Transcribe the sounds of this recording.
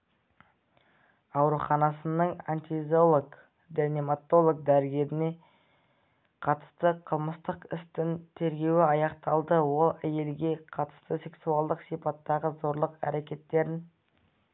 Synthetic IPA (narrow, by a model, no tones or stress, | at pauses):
ɑwɾuχɑnɑsənəɴant̪ʲizolˠoɡ | d̪enemat̪o̞lˠok̚d̪æɾɪɡʲe̞ɾɪne̞ | qʰɑt̪ə̥st̪əqʰəlˠməst̪əqɪst̪ɪnt̪ʰe̞ɾɡʲe̞wɪɑjɑqt̪ɑlˠd̪əwo̞lˠæje̞lɡʲe̞qʰɑt̪ə̥st̪əse̞ksuɑlˠd̪əqsijpɑt̪ːɑʁəzo̞ɾlˠəqæ̰ɾe̞kʲe̞t̪ːe̞ɾɪn